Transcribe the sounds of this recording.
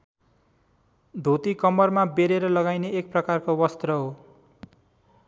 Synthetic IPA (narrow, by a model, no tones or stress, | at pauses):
d̪ʱot̪ikʌmʌrmabeɾeɾʌlʌɡajneʔːk̚prʌkarkowʌst̪rʌɦo